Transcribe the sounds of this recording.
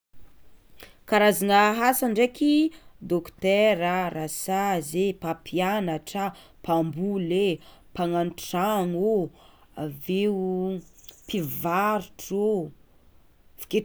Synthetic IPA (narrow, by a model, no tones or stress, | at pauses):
kaɾazanaɦasaɳɖ͡ʐekʲid̪okt̪ɛɾaɾʔasazepapʰianaʈ͡ʂa | pambulepaŋanʈ͡ʂaŋo | ave | pivaɾuʈ͡ʂo | v̥i̥ke